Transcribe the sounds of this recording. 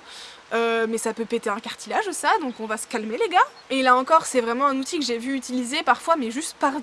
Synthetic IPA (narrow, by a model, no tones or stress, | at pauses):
ømɛsapøpet̪eɛ̃kaʁt̪ilaʒusad̪ɔ̃kɔ̃vasə̥kalmeleɡa | elaɑ̃kɔʁsɛvʁɛmɑ̃ɛ̃nut̪ikəʒevyːt̪ilizepaʁfwamɛʒyst̪paʁ